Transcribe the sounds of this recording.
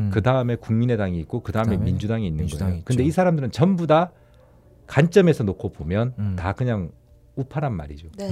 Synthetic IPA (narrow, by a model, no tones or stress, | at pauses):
kɯdaɯme̞kuŋmine̞daŋiːk͈okɯdaɯme̞mind͡ʑudaŋiːinːɯnɡʌojokɯnnde̞isʰaɾamdɯɾɯnt͡ɕʌmbuda | kant͡ɕ͈ʌme̞sʰʌnokʰobomjʌntakɯɲaŋ | upʰaɾanma̰ɾid͡ʑo